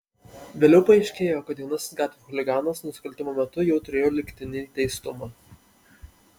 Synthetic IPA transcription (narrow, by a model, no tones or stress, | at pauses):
ʋʲeːlʲɛʊpɐɐɪʃʲkʲeːjoːkɐt̪jʲjɛʊnɐsʲɪ̥sɡɑːt̪ʲʋʲexʊlʲɪɡɑːnɐsnʊsʲɪ̥kɐlʲt̪ʲɪmoːmʲɛt̪ʊjɛʊt̪ʊɾʲeːjoːlʲɪkʲt̪ʲɪnʲɪt̪ʲɛɪst̪ʊmɑː